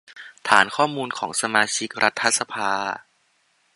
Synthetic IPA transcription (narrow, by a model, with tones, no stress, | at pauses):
t̪ʰa̰ː˩˦nkʰɔː˥˩muː˧nkʰɔː˩˦ŋsa˧maː˧t͡ɕʰi˦˥k̚ɾʔa˦˥t̪ʰːa˦˧˥sa˧pʰaː˧